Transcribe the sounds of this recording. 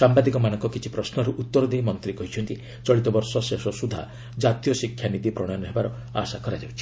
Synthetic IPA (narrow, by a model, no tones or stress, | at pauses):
sambad̪ikɔmanɔŋkɔkit͡ʃʰi̥pɾɔsnɔɾuʔut̪ːɔɾɔd̪ejmɔnt̪ɾikɔɦit͡ʃʰɔnt̪i | t͡ʃɔɭit̪ɔbɔɾsɔsesɔsud̪ʱa̰ | d͡ʒat̪ijɔsikʰːjanid̪ipɾɔɽ̃ɔjɔnɔɦebaɾɔ | a̰sakɔɾad͡ʒawt͡ʃʰi̥